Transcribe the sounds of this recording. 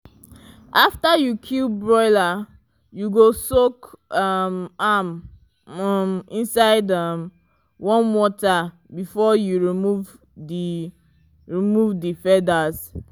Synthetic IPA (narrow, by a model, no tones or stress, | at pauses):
ʔaftajukʰilbɹɔɪla | juɡosokamam | mĩnsaɪdʌm | wɔ̃nwɔta | bifɔjuɹimuv | di | ɹimuvdifɛdas